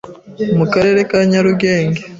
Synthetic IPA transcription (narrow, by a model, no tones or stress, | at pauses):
mukaɾe̞ːɾe̞kaɲaɾuɡe̞ːŋɡe